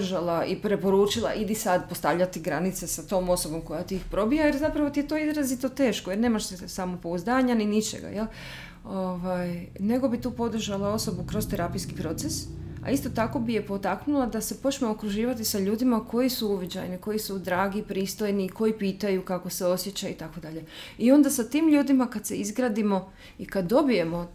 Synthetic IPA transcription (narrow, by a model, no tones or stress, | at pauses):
ʒalˠaipɾe̞po̞ɾuːt͡ʃilˠa̰ʔid̪isad̪post̪aʋʎat̪iɡɾanit̪sesat̪o̞ːmo̞so̞bo̞mko̞jat̪iixpɾo̞bijajeɾzapɾaʋo̞t̪ijet̪o̞izɾazit̪o̞t̪e̞ːʃkojeɾne̞ːmaʃsesamopo̞uzd̪aːɲaninit͡ʃḛɡa̰jelˠ | oʋajneɡo̞bit̪uːpo̞d̪r̩ʒalˠao̞so̞bukɾo̞st̪eɾapijskipɾo̞t̪sesa̰ist̪o̞t̪ako̞bije̞po̞t̪aknulˠad̪ase̞po̞t͡ɕmookɾuʒiːʋat̪isaʎuːd̪imakʰo̞jisuuʋid͡ʑa̰jniko̞jisud̪ɾaːɡipɾiːst̪o̞jniːkʰo̞jipiːt̪ajukako̞seo̞sje̞t͡ɕait̪ako̞d̪aʎe̞io̞nd̪asat̪iːmʎuːd̪imakad̪se̞̰izɡɾaːd̪imo̞ | ikad̪ːo̞bije̞mo̞